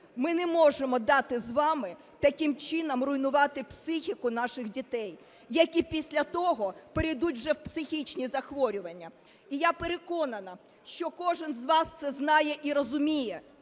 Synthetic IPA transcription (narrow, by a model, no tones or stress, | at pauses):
mɪnɛmɔʒemɔd̪ɑt̪ɪzʋɑmɪ | t̪ɐkʲimt͡ʃɪnɐmrʊjnʊʋɑt̪ɪpsɪxʲikʊn̪ɑʃɪxdʲit̪ɛj | jɐkʲipʲisʲlʲɐt̪ɔɦɔpeɾɪjd̪ut̚ʲwʒɛwpsɪxʲit͡ʃnʲizɐxʋɔɾʲʊʋɐnʲːɐ | ijapeɾekɔnɐnɐ | ʃt͡ʃɔkɔʒɪnzʋɑst̪sɛznɑjɛʔiɾɔzʊmʲijɛ